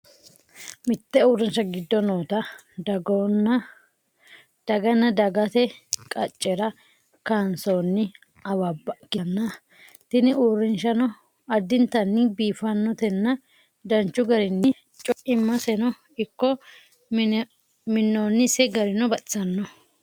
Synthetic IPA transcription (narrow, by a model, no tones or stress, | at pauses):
mɪt̪ːɛuːrːɛnʃɐɡɪd̪ːɔnoːt̪ɐ | dɡon | d̪̥ɐɡɐnːɐd̪ɐɡɐt̪ɛkʼɐt͡ʃʼːɛɾɐ | kansoːnːɪ | ɐwɐbɐkːɪnːɐ | t̪ɪnɪʔuːrːɪnʃɐnɔ | ɐd̪ːɪnt̪ɐnːɪbiːfɐnːɔt̪ɛnːɐ | d̪ɐnt͡ʃːʊɡɐɾɪnːɪ | t͡ʃʼɔʔɪmːɐsɛnɔ | ɪkːɔ | mɪnːoːnːɪsɛɡɐɾɪnɔbɐʔsɐnːɔ